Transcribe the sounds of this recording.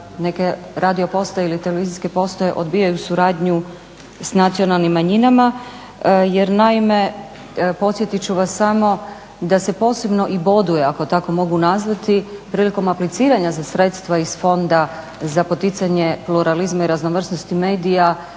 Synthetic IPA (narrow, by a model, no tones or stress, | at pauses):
ne̞ke̞ɾʔad̪io̞po̞st̪ailit̪eleʋiziske̞po̞st̪ojeʔo̞d̪biːjajusuɾaːd̪ɲu | snat̪sio̞nalnimːaɲinama | jeɾnaime̞ | po̞t̪sje̞t̪it͡ɕuʋasːamo̞ | d̪ase̞po̞ːse̞bno̞ʔibo̞d̪ujeako̞t̪ako̞mo̞ɡunazʋat̪ipɾiːliko̞maplit̪siːɾaɲazasɾe̞t̪st̪ʋaisfo̞nd̪a | zapo̞t̪it̪saɲe̞pluɾalizmaiɾaznoʋr̩sno̞st̪ime̞ːd̪ija